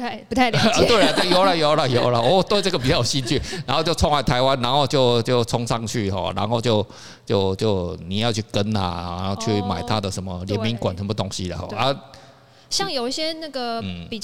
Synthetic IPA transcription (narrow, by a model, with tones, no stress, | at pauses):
ɪpu˧˥t̪ʰa˥˩ə˧t̪we˥˩la˨t̪jo˨˦ʊla˨jo˨˦ʊla˨jo˨˦ʊla˨wɔ˨˦˨t̪we˥˧ʈ͡ʂə˥˩ɡə˩pi˨t͡ɕɑ˥˩jɕi˥nt͡ɕʰy˥˩na˨˦nxo˥˧ʊt͡ɕjo˥˧ʊɔ˥ŋwa˥˩ɪt̪ʰa˧ɪwa˦nna˧˦˥nxo˥˧ʊt͡ɕjo˥˧ʊt͡ɕjo˥˩ʊt͡sʰʊ˥ŋʂɑ˥˨ŋt͡ɕʰy˥˨ɦɔ̰˨˩ɻa̰˧˦˥nxo˥˧ʊt͡ɕjo˥˧ʊ | t͡ɕjo˥˧ʊt͡ɕjo˥˧ʊni˨˩jɑ˥˧ʊt͡ɕʰy˥˩kə˦˥na̰˨˩˧o˥˧t͡ɕʰy˥˩ma˨˩ɪt̪ʰa˦d̪ə˨ʂə˧˦nmə˧ljɛ˨˥mi˧˦nkwa̰˨˩nʂə˧˦nmə˨t̪o˦˥ŋɕi˦ə̰˨˩ɔ̰˥˩ʔa˦ | ɕjɑ˥˩ŋjo˨˩ʊi˥˩ɕjɛ˥na˥˩ɡə˨n̩˨˩pi˨˩